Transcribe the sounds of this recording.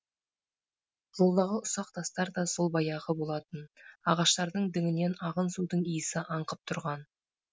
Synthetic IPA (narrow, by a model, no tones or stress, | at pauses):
zolˠd̪ɑʁəʊsɑq̚t̪ʰɑst̪ɑɾd̪ɑsolˠbɑjɑʁəbo̞lˠɑt̪ənɑʁɑʃt̪ɑɾd̪əɴd̪ɪŋɪne̞nɑʁənsud̪əɴijɪsɪʔɑɴqəp̚t̪ʰʊɾʁɑn